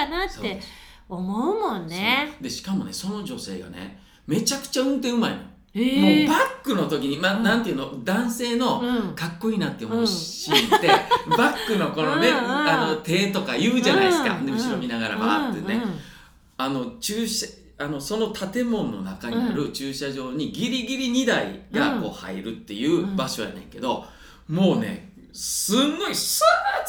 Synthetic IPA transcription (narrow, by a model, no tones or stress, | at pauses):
anatsoːe̞ | omoɯ̟mõnːed̪e̞ɕi̥kamo̞̰ne̞̰so̞no̞ʑo̞se̞̰ːɡa̰nḛ | me̞t͡ɕakɯ̟̥t͡ɕaɯ̟̃nt̪̬ẽɯ̟maḭmo | mobakːɯ̟no̞t̪o̞kʲiɲ̟imanãnt̪eiɯ̟nod̪ãɰ̃se̞ːno̞kakːo̞inat̪ːemoit̪ebakːɯ̟no̞ko̞noeano̞t̪e̞ːt̪o̞kaiɯ̟ːd͡ʑanaisɨka̰nemɯ̟ɕiɾo̞mʲinaɡaɾa̰mat̪ːene | ano̞t͡ɕɨːɕ | ano̞so̞no̞t̪ʰat̪e̞mõ̞nːo̞̰nakaɲ̟iaɾɯ̟t͡ɕɨːɕaʑo̞ːɲ̟iɡʲiɾʲiɡʲiɾʲiɲ̟id̪aḭɡako̞̰ːha̰iɾɯ̟t̪ːe̞̰jɯ̟ːbaɕoβa̰nḛ̃ŋke̞d̪o̞ | mo̞ːne̞̰ | sɨnːo̞isɨ